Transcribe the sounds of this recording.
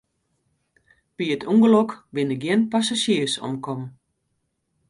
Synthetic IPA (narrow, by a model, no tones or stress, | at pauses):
b̥iətʰuŋɡəlɔkbɪndəɡjɪənpasaʃiəsɔ̰mkʰɔm